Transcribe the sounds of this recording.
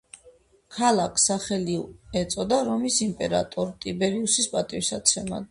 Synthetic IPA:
kʰalˠakʰsaχɛliɛt̪sʼɔd̪aɾɔmisimpʼɛɾa̰t̪ʼɔɾt̪ʼibɛɾiusispʼat̪ʼiwsat̪sʰɛma̰d̪

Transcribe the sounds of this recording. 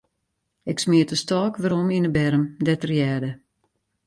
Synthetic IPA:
ɪksmɪətəstɔːkʋaɾɔminəbɛɾəmdɛtərjɛːdə

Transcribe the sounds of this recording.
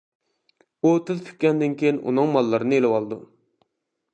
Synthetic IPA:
ut̪ʰɨzpʰy̥k̚ʲkʲɛnd̪ɪnkʲʰejinʔṵnɨŋmɑlˠːɨɾɨnɨelɨwɑlˠɨd̪u

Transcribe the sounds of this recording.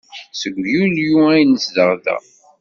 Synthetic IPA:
səɡʷjuljuæjnəsðəʁðæ̰

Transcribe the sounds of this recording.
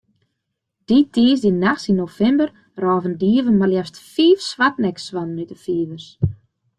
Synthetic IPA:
d̥itʰiəsdinaxsinofɛmbər | rɔːvəndiəvənmaljɛstfiːfsʋatnɛkswɔnnytəfiːvərs

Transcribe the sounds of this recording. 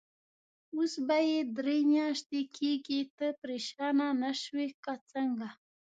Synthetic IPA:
usbajed̪ɾemjɑʃt̪ekʰeɡit̪əpɾeʃɑnanaʃwekat͡səŋɡa

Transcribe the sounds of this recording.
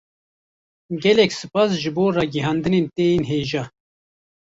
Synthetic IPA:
ɡɛlɛksɨpɑːsʒɨboːrɑːɡiɦɑːnd̪ɨneːnt̪eːjeːnɦeːʒɑː

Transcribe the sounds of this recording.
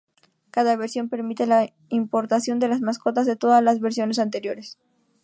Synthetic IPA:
kaðaβeɾsjo̞mpe̞ɾmit̪e̞la | impo̞ɾt̪asjo̞nd̪e̞lazmasko̞t̪azðet̪o̞ðazlazβeɾsjo̞ne̞sant̪e̞ɾjo̞ɾes

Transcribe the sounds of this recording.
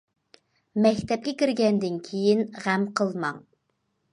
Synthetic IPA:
mɛkʲt̪ʰɛp̚kʲɛkʲiɾɡʲɛnd̪ɪnkʲʰejinʁæmqʰəlˠmɑŋ

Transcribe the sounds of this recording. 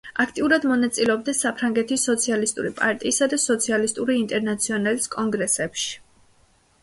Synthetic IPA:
akʰt̪ʼiuɾad̪mɔnat̪sʼilɛɔb̚d̪ɛsapʰɾaŋɡɛt̪ʰisɔt̪sʰialist̪ʼṵɾipʼaɾt̪ʼiːsad̪asɔt̪sʰialist̪ʼuɾiːnt̪ʼɛɾnat̪sʰiɔnaliskʼɔŋɡɾɛsɛpʃi̥

